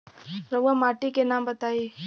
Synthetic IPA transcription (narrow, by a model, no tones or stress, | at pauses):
ɾɐʋamaːʈikenaːmbɐt̪aːi